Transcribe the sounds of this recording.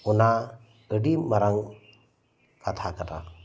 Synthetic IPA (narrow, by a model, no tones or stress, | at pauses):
una | əɖimaɾaŋ | kat̪ʰakata̰